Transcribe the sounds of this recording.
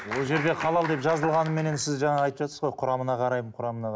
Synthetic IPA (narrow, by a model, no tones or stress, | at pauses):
wo̞lˠʒe̞ɾd̪e̞qʰɑlˠɑlˠd̪e̞pʒɑzəlˠʁɑnəme̞ne̞nsɪzʒɑɴɑɑjt̪əpʒ̥ɑt̪səzʁo̞jqʰʊɾɑmənɑqʰɑɾɑjməɴqʰʊɾɑmənɑ